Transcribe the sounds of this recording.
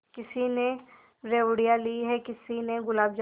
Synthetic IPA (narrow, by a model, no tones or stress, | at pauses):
kɪsine | ɾeːʋɽijaliɦɛkɪsineɡʊlaːbd͡ʒ